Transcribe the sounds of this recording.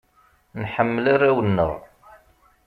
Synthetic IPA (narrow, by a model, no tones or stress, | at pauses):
nħəmːəlaɾawənːə̰ʁ